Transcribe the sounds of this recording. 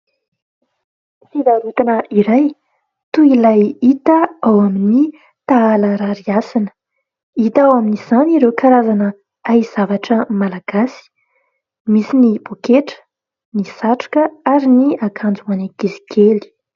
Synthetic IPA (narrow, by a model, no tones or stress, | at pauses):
fid̪aɾut̪anəʔiɾaj | t̪uilajit̪əawamini | t̪aaləɾaɾiasinə̥ | it̪awaminiz̥aniɾewkaɾazanə | aiz̥avaʈ͡ʂəmalaɡ̥asi̥ | misinibokeʈ͡ʂə̥ | nisaʈ͡ʂu̥kəaɾiniakʰand͡zuaneɡizi̥kʰeli̥